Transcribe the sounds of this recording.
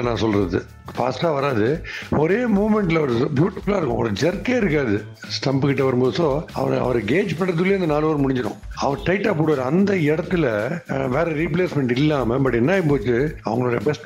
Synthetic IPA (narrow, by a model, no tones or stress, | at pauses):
nãːsɔlɾɐðɯ | pa̰ːsʈaːʋɐɾaːðɯɔɾeːmoːmɛɳʈːɪlɐʋɐɾbjuːʈːɪfɯlaːɪɾɯkːʊ̰̃ɐɐɾd͡ʒɛɾkeːɪɾɯkːaːðɯ | sʈɐmbkɪʈːɐʋɐɾɯmboːðsoːɐ̰ʋɐ̰ɾɐ̰ʋɐɾɡeːd͡ʒpɐɳɾɐt̪ːɯlːeːɐnd̪ɐnaːloːɾɯmʊɽɪ̃ɲd͡ʒɐɽʊ̰̃ɐʋɐɾʈɐɪʈːaːpoːɽɯʋɐːɾɐnd̪ɐɪɽɐt̪ːɯlɐʋeːɾɐɾipɭeːsmɛɳʈɪlːaːmɐbɐʈːɪnːaːjɪpoːt͡ʃːɯɐʋɐŋɡɐɭoːɽɐjɐbɛsʈ